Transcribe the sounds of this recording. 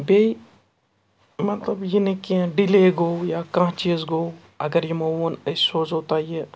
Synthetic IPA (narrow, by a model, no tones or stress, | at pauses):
beːi | mɐt̪ləbjenẽkiɛ̃ɖileːɡoːjaːkãt͡ʃiːzɡoː | ɐɡəɾjemowənəsoːd͡ʒɦoːt̪aːie